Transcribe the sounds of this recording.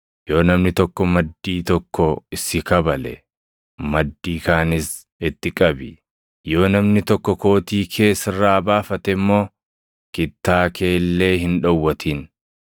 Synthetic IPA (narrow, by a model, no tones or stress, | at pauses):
jo̞ːnɐmnɪt̪ɔkːɔmɐd̪ːiːt̪ɔkːɔɪsɪkɐbɐlɛ̰ | mɐd̪ːiːkaːnɪs | ɪt̪ːɪkʼɐbɪ | jo̞ːnɐmnɪt̪ɔkːɔko̞ːt̪iːkʰe̞ːsɪrːaːbaːfɐt̪ɛmːo̞ː | kɪt̪ːaːke̞ːlːe̞ːɦɪnᶑɐwːɐt̪ʰiːn